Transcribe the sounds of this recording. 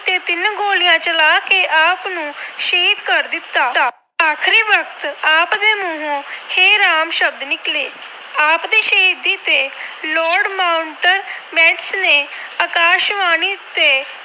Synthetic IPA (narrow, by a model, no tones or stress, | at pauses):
t̪eːt̪ɪnɡoːlijãːt͡ʃəlaːkeːʔaːpnũːʃeːit̪kəɾd̪ɪt̪ːaːaː | aːkʰɾiːʋəkʰt̪aːpd̪eːmʊɦũheːɾaːmʃəb̚d̪nɪkleː | aːpd̪iːʃəɦiːd̪iːt̪eːlɔːɾɖmaːʊɳʈəɾmɛːʈsneːaːkaːʃʋaːniːt̪eː